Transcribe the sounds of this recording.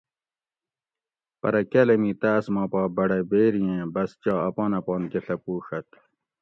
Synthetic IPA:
pɐ̰ɾɐkelɐmiːt̪aːsmɑ̃ːpaːbɐɽebeːɾijẽːbɐst͡ɕɑːɐpaːnɐpɑːnkeɬɐpuːʂɐt̪̚

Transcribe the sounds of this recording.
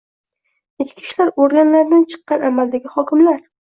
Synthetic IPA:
et͡ʃ̪kʲʰɪ̥ʃlaɾoɾɡʲanlaɾd̪ant͡ʃʰɨ̥qːɑnamald̪aɡʲɪhɒkʲɪmlaɾ

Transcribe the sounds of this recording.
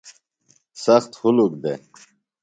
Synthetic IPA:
sɐxt̪hʊluk̚d̪e

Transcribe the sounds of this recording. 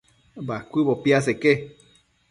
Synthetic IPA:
bakʷɨβopiaseke

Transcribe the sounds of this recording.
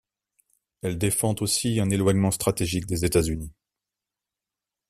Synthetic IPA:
ɛld̪efɑ̃t̪osiɛ̃nelwaɲmɑ̃st̪χat̪eʒik̚d̪ezet̪azyni

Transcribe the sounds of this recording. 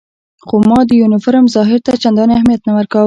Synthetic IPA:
xomɑd̪əjunɪfɪɾəmzɑɦɪɾt̪at͡ʃand̪ɑneahmijat̪nawəɾka

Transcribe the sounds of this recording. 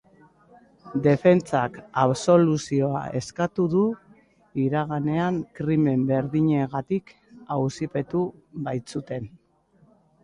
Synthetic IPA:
d̪e̞fe̞nt͡sakaβso̞lusio̞a̰e̞skat̪uðu | iɾaɣ̞ane̞aŋkɾime̞mbe̞ɾðiɲe̞ɣ̞at̪ik | awsipe̞t̪uβajt͡sut̪e̞n

